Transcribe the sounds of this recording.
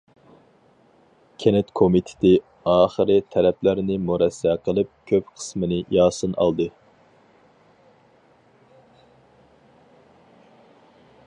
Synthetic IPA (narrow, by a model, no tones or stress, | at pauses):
kʲʰenɛt̪kʰomit̪ʰɪ̥t̪ɪ | ɑːχəɾɨt̪ʰɛɾɛpʰlæɾnɪmuɾɛsːɛqʰəlˠɨp̚kʲʰøpqʰə̥smɨnɨjɑːsɨnɑ̰lˠd̪ɨ